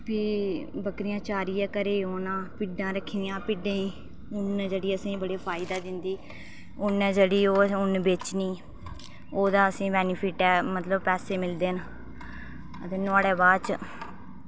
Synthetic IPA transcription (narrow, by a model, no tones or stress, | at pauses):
pʰiːbəkɾɪjãːt͡ʃaːɾiːaːkəɾeːoːnãːpɪɖãːɾəkʰːjãːpɪɖẽː | ʊnd͡ʒəɽiːəsĩːbəɽeːpʰaːɪd̪aːd̪ɪnd̪iː | ʊnɛːd͡ʒeɽiːoːʊnbeːt͡ʃniː | oːd̪aːəsĩːbɛːnipʰiːʈɛːmət̪ləbpɛːseːmɪld̪eːn | ət̪eːnʊaːɽeːbaːt͡ʃ